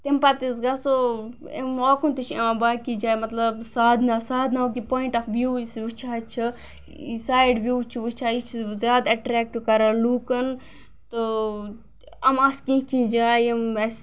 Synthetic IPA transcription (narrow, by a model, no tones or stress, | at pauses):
t̪empat̪is̬ɡɐso | ḛmaːkunt̪it͡ʃʰãːbaːkid͡ʒaːmɐt̪lɐbsaːd̪naːsaːd̪naok̬ipoːiɳʈɐkʋjuːisʋɨt͡ʃʰaɐt͡ʃʰi | saːjɖʋjuːt͡ʃʰiʋɨt͡ʃʰaːit͡ʃʰizʲjaːd̪ɐʈɾɛːk̚ʈkɐɾɐluːkɐn | t̪ɨ | ɐmɐskĩɦkĩd͡ʒaːjemɐs